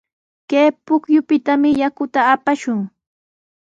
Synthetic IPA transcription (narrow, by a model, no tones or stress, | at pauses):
keːpʊkjʊpɪt̪amɪjakʊt̪aːpaʃʊŋ